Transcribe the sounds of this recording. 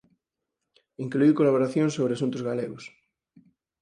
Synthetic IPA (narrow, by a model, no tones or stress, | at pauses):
iŋkluiwkolaβoɾaθjoŋsoβɾeasunt̪ʊzɣaleɣos